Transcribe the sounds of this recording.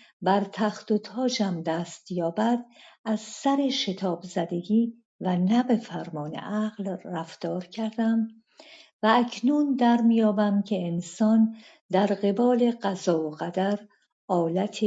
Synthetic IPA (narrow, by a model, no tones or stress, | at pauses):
bæɾt̪ʰæχt̪ot̪ʰɒːd͡ʒæmd̪æːst̪jɒːbæd̪æz̥sæɾe̞ʃe̞t̪ʰɒːbzæd̪e̞ɡiː | vænæbe̞fæɾmɒːne̞̰ʔæɣlræft̪ɒːɾcʰæɾd̪æm | væːcʰnuːnd̪æɾmijɒːbæmcʰe̞ːnsɒːn | d̪æɾɢe̞bɒːle̞ɢæzɒːoɣæd̪æɾ | ɒːlæt̪ʰe